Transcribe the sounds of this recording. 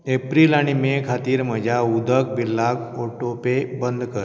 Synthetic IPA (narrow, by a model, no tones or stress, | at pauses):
epɾiːlaɽ̃imekʰat̪iːɾməd͡ʑʱaud̪ʱək̚bilːaɡoʈopebənd̪ʱkəɾ